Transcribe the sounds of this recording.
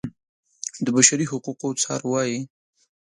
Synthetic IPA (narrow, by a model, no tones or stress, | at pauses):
d̪əbaʃaɾiɦʊquqot͡sɑ̰ɾwɑji